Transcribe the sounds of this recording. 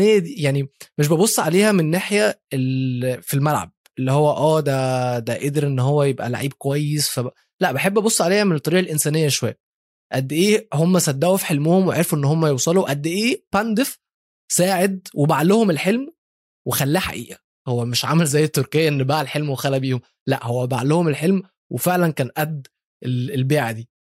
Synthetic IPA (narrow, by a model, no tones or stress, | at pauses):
ejːæd̪iːjaʕnimeʃ̬bebosˤːʕaleːhæmenːaːħjæelfilmælʕa̰b̚ʔelːihowːæʔæːd̪æd̪æʔed̪eɾʔenːɦowːæjebʔæ̰la̰ʕiːb̚kowæjːesfæ | læʔbeħebːæbosˤːʕaleːhæmenet̪ˤːɑɾiːʔɑlʔensæːnejːæʃowæ̰jːæ | ʔæd̪ːʔeːhomːæsæd̪ːæʔufi̥ħelmohomweʕeɾfuʔenːhomːæjewsˤɑluʔæd̪ːeʔeːpænd̪ef | sæːʕed̪̚webaʕlohomelħelm | wexælːæːħa̰ʔiːʔæ | howːæmeʃʕamælzæjːet̪ːoɾkejːæʔenːbaːʕlħelmwexælæbiːhom | læ̰ʔhowːæba̰ʕlohomelħelm | wefeʕlænkæːnʔæd̪ː | ʔelelbeːʕad̪iː